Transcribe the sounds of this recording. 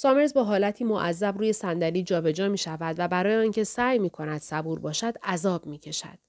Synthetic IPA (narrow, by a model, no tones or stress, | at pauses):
sɒːme̞ɾzbɒːɦɒːlæt̪ʰiːmoʔæzːæbɾuːje̞sænd̪æliːd͡ʒɒːbe̞d͡ʒɒːmiːʃævæd̪væbæɾɒːjeɒːncʰe̞sæːjmiːkʰo̞næd̪̥sæbuːɾbɒːʃæd̪̥æzɒːbmiːcʰe̞ʃæ̰d̪̥